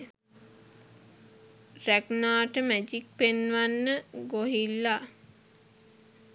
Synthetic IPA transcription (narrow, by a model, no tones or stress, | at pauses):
ræknaːʈəmæd͡ʒik̚penʋanːəɡoɦilːa